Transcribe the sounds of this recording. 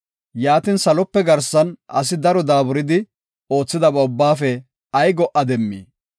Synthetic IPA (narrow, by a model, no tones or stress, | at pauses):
jaːt̪iːnsɐlɔpːɛɡɐɾsɐnʔɐ̰s̬ɪd̪ɐɾɔd̪aːbʊɾɪd̪ɪ | o̞ːt͡sːɪd̪ɐbɐʊbːaːfɛ | ɐjɡɔʔɐd̪ɛmːḭː